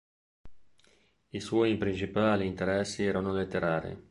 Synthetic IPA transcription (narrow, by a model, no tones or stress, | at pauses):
iswɔːjimpɾint͡ʃipaːliːnt̪eɾɛsːiɛːɾonolet̪ːeɾaːɾḭ